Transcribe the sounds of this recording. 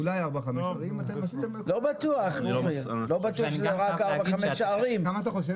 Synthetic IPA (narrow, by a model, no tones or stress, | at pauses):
ulajaʁbaχameʃaʁimat̪emaʃat̪emlobat̪uaχumlo̞bat̪uaχʃzoʁakaʁbaχamesʃaaʁimkamat̪aχoʃ̬e